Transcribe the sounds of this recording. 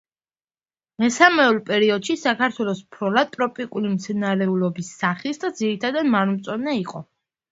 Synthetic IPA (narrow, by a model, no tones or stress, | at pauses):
mɛsamɛɔlˠpʼɛɾiɔd̪̥ʃisakʰaɾt̪ʰwɛlˠɔsupʰɾɔlat̪ʼɾɔpʼikʼulimt̪sʰɛnaɾɛulɔbisːaχisd̪ad̪ziɾit̪ʰad̪ad̪maɾmt̪sʼɔnɛiqʼɔ